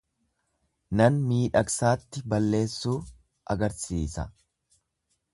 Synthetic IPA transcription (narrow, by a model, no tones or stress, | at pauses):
nɐnmiːᶑɐksaːt̪ːɪbɐlːe̞ːsːuː | ɐɡɐɾsiːsɐ̰